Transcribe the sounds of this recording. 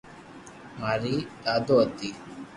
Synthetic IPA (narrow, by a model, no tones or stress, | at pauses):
maːɾiːd̪aːd̪oət̪i